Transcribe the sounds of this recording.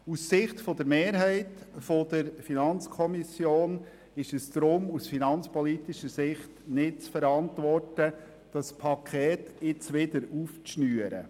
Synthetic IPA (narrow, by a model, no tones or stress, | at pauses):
usːɪχt̪fod̪əɾmeːɾɦæɪtfod̪̥əɾfinɑnt͡skʰɔmisjoːn | ɪʃɛsd̪̥ɾʊmusfinɑnt͡spɔlit̪iʃəɾsɪχtnɪt̚t͡sfəɾɑntʋɔrtə | d̥ɑspʰɑkʰɛːtɪt͡sʋɪd̪əɾuːft͡sʃnyːəɾə̰